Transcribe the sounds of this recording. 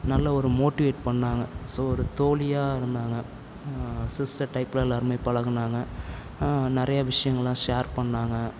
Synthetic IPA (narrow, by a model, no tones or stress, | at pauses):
nɐlːɐɔɾɯmoːʈɪʋeːʈ̚pɐɳːaːŋɡɐsoːɔɾɯt̪oːlɪjaːɪɾɯnd̪aːŋɡɐ | sɪsɐʈːɐɪpːlɐlɐɾmɐɪpɐɭɐɣɐnaːŋɡɐ | nɪɾɐjɐʋɪʂɐjɐŋɡɐɭlːãːʂeːɾpɐɳːaːŋɡɐ